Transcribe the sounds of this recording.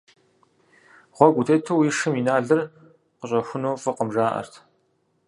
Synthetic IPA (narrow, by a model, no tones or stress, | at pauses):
ʁʷɔɡʷʊtʰeːtʰɨwiːʂɨminaːɮɨr | qəɕʼɐxʷʊnowfɨqəmʒaːʔɐ̰rtʰ